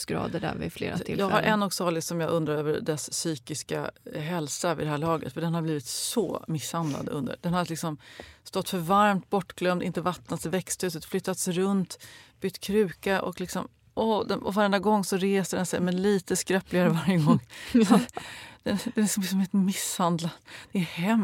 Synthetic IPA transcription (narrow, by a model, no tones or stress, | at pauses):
skɾɑ̰ːd̪əɖæ̰ɾvɪ̰flḛːɾa̰ɪljɑːɡhaɾʔɛnːɔɡsɑːlɪsɔmjɑːɡʔɵnd̪ɾaɾøːvə̰ɾɖɛsːyːkɪska̰ɦɛlsavɪ̰d̪ɛɦæːɭɑːɡə̰t̪fœɖɛnhabliːvɪt̪sɔ̰mɪshand̪la̰d̪ɵ̰nd̪ə̰ɾd̪ɛnhad̪əlɪksɔmst̪ɔt̪ːfœɾvaɾmt̪̚bɔʈːɡlœmd̪ɪnt̪əvat̪ːnat̪sɛvɛkst̪hʉ̟ːs̬ət̪flʏt̪ːat̪sɾɵnt̪b̥ʏt̪ːkʰɾʉ̟ːkaʔɔ̰klɪksɔm | ʔɔd̪ɛnɔ̰vaɾɛnd̪aɡɔŋːsɔɾeːsəɖɛnsɛjmɛnliːt̪əskɾɛplɪɡaɾəvaɾjəɡɔŋːsat̪d̪̥ɛd̪ɛlɪksɔmlɪks̬ɔmɪnt̪əmɪshand̪lad̪d̪̥ɛːhɛm